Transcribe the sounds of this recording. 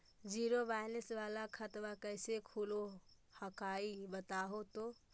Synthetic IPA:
d͡ʒiɾobajnisʋalakʰət̪ʋakəjsekʰulo | həkaibət̪aɦot̪o

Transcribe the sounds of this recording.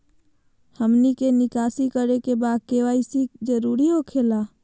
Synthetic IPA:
həmnikenɪkaːsikəɾekebaːd̪̚keʋaisikd͡ʒəɾuːɾiɦokʰeːla

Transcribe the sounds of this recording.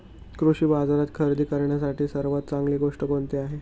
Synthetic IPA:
kɾuɕiːbad͡zaɾat̪kʰəɾd̪iːkəɾɳjasaʈiːsəɾʋat̪̚t͡saŋɡliːɡoʂʈəkoɳt̪eaɦe

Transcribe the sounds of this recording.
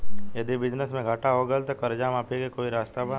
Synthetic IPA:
jɐd̪ibɪd͡ʒnəsmẽɡʱaːʈaɦoɡəlt̪okɐɾd͡ʒaːmapʰekekoːiɾaːst̪aba

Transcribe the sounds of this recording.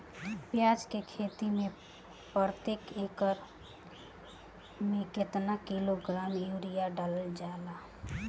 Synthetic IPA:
pjad͡ʒkekʰet̪ime | pɾət̪ekekəɾ | meket̪nakiloɡɾamjuɾijaɖaləld͡ʒaela

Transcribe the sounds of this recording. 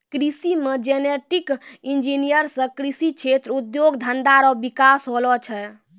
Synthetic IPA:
kɾisimed͡ʒeneʈikind͡ʒinijəɾsə̃kɾisit͡ʃʰet̪ɾud̪joɡd̪ʱənd̪aɾɔbikasɦolɔt͡ʃʰɛ

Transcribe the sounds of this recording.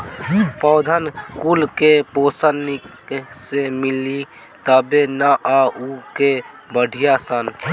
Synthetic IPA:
pɔːd̪ʱənkulkepoːsənik | semɪli | t̪əbenaʔauke | bəɽʱɪjasən

